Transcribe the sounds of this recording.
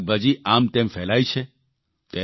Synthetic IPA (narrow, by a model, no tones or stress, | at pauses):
bəd͡ʒiʔaːmt̪ẽmfɛːlaːit͡ʃʰe | t̪e